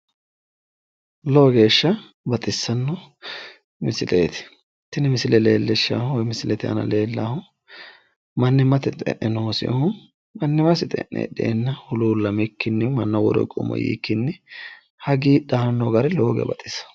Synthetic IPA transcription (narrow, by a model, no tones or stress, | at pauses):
loːɡe̞ːʃːɐ | bɐt̪ʼɪsːɐnːɔ | mɪsɪlʔḛːt̪ɪ̥ | t̪ːɪnɪmɪsɪlɛle̞ːlːɛʃːa̰ːhʊwɔjmɪsɪlɛt̪ɪʔɐ̰nɐ̰le̞ːlːa̰hʊ | mɐnːɪmɐt̪ɪt̪ʼɛ̰ʔːɛnoːsɪ̰ʔhʊ | mɐnːɪmɐsɪt̪ʼɛ̰ʔːɛ̰ːɗḛːnːɐhʊluːlːɐmɛkːɪnːɪmɐnːɐwɔd̪ɔ̰kʼʊ̰mɔ̰jḭːkːɪnːɪ | hɐɡiːɗanːɔɡɐɾɪloːɡɛ̰bɐt̪ʼɪsɐ̥